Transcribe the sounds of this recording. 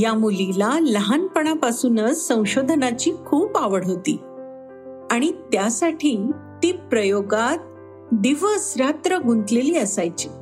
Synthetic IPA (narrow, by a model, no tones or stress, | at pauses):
jamulilaləɦanpəɳapasuːnəsːə̃w̃ɕod̪ʱnat͡ɕiːkʰuːpaʋəɽ̤ɦot̪iː | aɽ̃it̪jasaʈʰiːt̪iːpɾəjoɡat̪̚ | d̪iʋəsɾat̪ɾəɡʱunt̪leliːəsajt͡ɕi̥